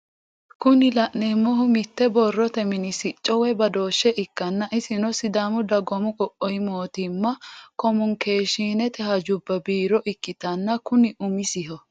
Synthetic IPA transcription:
kʊnɪlɐʔnemːɔɦʊmɪt̪ːɛbɔrːɔt̪ɛmɪnɪsɪt͡ʃʼːɔwɛbɐd̪o̞ːʃːɛʔɪkːɐnːɐʔɪsɪnɔsɪd̪aːmʊd̪ɐɡɔmʊkʼɔʔɔjmo̞ːt̪ɪmːɐkɔmʊŋke̞ːʃiːnɛt̪ɛhɐd͡ʒʊbːɐbiːɾɔʔɪkːɪt̪ɐnːɐkʊnɪʔʊmɪsɪhɔ

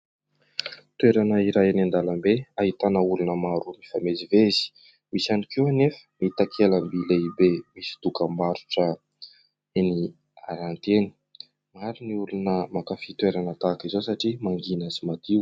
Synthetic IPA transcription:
t̪weɾanəiɾajanand̪aləmbeaɦit̪anəulunəmaɾumifamezivezi̥ | misanikewanefə̥mit̪akʰeləmbileibemisi̥t̪ukəmbaɾuʈ͡ʂə | eni | aɾant̪eni̥ | maɾiniulunəmakafit̪uweɾanət̪akizosaʈ͡ʂimaŋɡinəzimad̪iw

